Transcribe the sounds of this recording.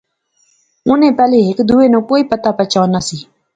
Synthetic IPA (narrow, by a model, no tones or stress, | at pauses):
ʊnẽːpɛːleːɦɪkd̪uːeːnũːkoːiːpət̪aːpət͡ʃʰaːnaːsiː